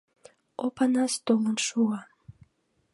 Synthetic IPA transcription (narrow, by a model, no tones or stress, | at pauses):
opanast̪omənʃua